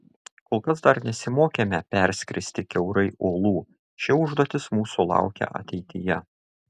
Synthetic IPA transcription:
koːlˠkɐsd̪ɐɾnʲɛsʲɪmoːkʲeːmʲɛpʲɛɾʲsʲkʲɾʲɪsʲt̪ʲɪkʲɛʊɾɐɪoːlˠuː | ʃʲɪʊʒd̪oːt̪ʲɪsmuːsulˠɑ̰ˑʊkʲɛ̰ʔɐ̰t̪ʲɛɪt̪ʲɪjɛ

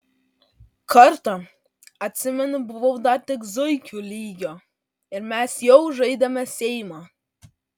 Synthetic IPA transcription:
kɐɾt̪ɐ | ɐt̪ʲsʲɪmʲɛnʊbʊʋɐʊd̪ɑt̪ʲɪkzʊɪkʲulʲiːɡʲoː | ɪɾmʲæsjɛʊʒɐɪd̪ɐmʲɛsʲɛɪmɑ

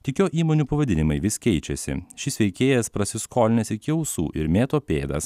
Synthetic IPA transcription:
t̪ʲɪkʲoːʔiːmoːnʲuːpɐʋɐd̪ʲɪnʲɪmɐɪʋʲɪskʲɛɪt͡ʃʲɛsʲɪ̰ʃʲɪsʲʋʲɛɪkʲeːjɛspɾɐsʲɪskoːlʲɪnʲɛsɪkʲɛʊsṵːʔɪɾmʲeːt̪oːpʲeːd̪ɐ̰s

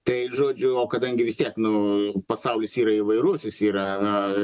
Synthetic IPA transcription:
t̪ɐɪʒoːd͡ʒʲʊoːkɐd̪ɐŋʲɡʲɪʋʲɪst̪ʲiɛknʊpɐsɐʊlʲɪsiːɾɐɪʋɐɪɾuɔsʲɪsiːɾɐnʊ

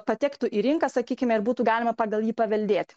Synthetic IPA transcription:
pɐt̪ʲɛkt̪uʔiːɾʲɪŋkɑsɐkʲiːkʲɪmʲɛɪɾbuːt̪uːɡɑːlʲɪmɐpɑːɡɐlˠjiːpɐʋʲɛlʲd̪ʲeːt̪ʲ

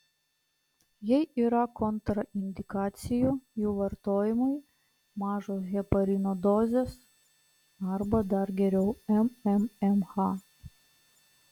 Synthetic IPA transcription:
jɛɪʔiːɾɐkɔnt̪ɾɐʔɪnʲd̪ʲɪkɑːt̪sʲɪjujuːʋɐɾt̪oːjɪmɐɪ | mɑːʒoːsɣʲɛpɐɾʲinoːd̪ɔzʲeːs | ɐɾbɐd̪ɐɾɡʲɛɾʲɛʊɛmɛmɛmxɑ

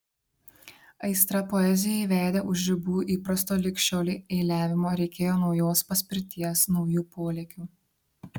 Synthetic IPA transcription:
ɐɪst̪ɾɐpɔɛzʲɪjɛiʋʲæːd̪ʲeʔʊʒʲɾʲɪbuːʔiːpɾɐst̪oːlʲɪkʃʲt͡ʃʲoːlʲieːlʲæːʋʲɪmoːɾʲɛɪkʲeːjoːnɒʊjoːspɐsʲpʲɪɾʲt̪ʲiɛsnɒʊjuːpoːlʲeːkʲuː

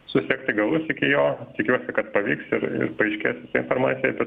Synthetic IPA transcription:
sʊsʲeːkt̪ɪɡɐlˠʊsɪkʲɪjoːt̪ʲɪkʲuɔsʲɪkɐt̪pɐʋʲiːksɪɾɪ̰ɾpɐɛɪʃʲkʲeːsʲɪsɐɪnfoɾmɑ̰ːt̪sʲɪjɛbʲɛt̪

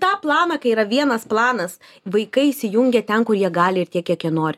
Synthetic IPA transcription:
t̪ɑːplˠɑːnɑːkɐɪiɾɐʋʲiɛnɐsplˠɑːnɐs | ʋɐɪkɐɪɪsʲɪjʊŋʲɡʲɛt̪ʲɛnkʊɾjiɛɡɑːlʲɪɪɾt̪ʲiɛkjiɛkjiɛnoːɾʲ

